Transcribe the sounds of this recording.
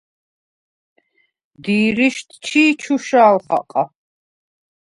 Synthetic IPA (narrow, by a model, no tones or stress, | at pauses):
d̪iːɾiʃt̪ʰt͡ʃʰiːt͡ʃʰuʃaːlχa̰qʼa